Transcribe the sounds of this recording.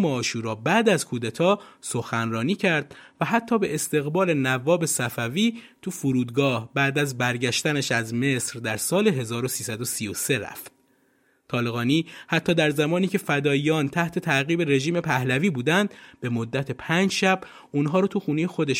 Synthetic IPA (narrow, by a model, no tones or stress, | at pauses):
meɒːʃuːɾɒːbæd̪æzkʰuːd̪æt̪ʰɒːso̞xænrɒːniːcʰæɾd̪̥̚væɦæt̪ʰːɒːbe̞ʔest̪e̞ɣbɒːle̞nævɒːbe̞sæfæviːt̪ʰufoɾuːd̪ɡɒːhbæʔd̪æzbæɾɟæʃt̪ænæʃæzme̞sɾd̪æɾsɒːle̞ɦe̞zɒːɾosiːsæd̪osijose̞ɾæ̰ft̪̚ | t̪ʰɒːle̞ɣɒːniːhæt̪ʰːɒːd̪æɾzæmɒːniːcʰe̞fæd̪ɒːiɒːnt̪ʰæht̪ʰe̞t̪ʰæɣiːbe̞ɾe̞ʒiːme̞pʰæhlæviːbuːd̪ænd̪b̥e̞mod̪ːæt̪ʰe̞pʰænd͡ʒʃæb | unɦɒːɾɒːt̪ʰuxuːnejexod̪eʃ